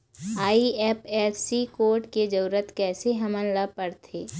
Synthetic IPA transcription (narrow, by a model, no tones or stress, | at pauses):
aːiɛːpɛːssikoːɾʈked͡ʒɐɾuːɾət̪kɛːseɦɐmənlapəɾt̪ʰeː